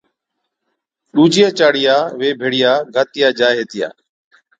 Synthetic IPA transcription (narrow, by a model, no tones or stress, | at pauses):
ɗuːd͡ʒɪjaːt͡ʃaːɽɪjaːʋeːbʱeːɽɪjaːɡʱaːt̪ɪjaːd͡ʒaːɦeːt̪ɪja̰ː